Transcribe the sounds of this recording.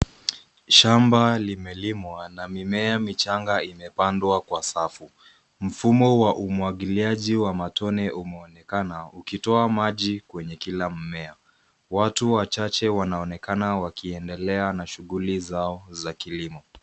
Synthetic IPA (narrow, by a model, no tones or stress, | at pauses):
ʃambalimɛlimwanamimɛamit͡ʃaŋɡaimɛpandwakwasafu | m̩fumɔwaʔumuaɠiliaʄiwamatɔnɛʔumɛɔnɛkanaukitɔamaʄikwɛɲɛkilam̩mɛa | watuwat͡ʃat͡ʃɛwanaɔnɛkanawakiɛndɛlɛanaʃuɣulizaɔzakilimɔ